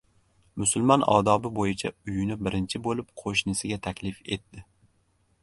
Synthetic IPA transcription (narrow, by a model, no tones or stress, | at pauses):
mʊsʊlˠmɒnɒ̰d̪ɒbɪbojɪt͡ʃʰaʊjʊnɪbɪɾɪnt͡ʃʰɪbolˠɪp̚qʰoʃnɪsɪɡʲat̪ʰakʲlɪfe̞t̪ːɪ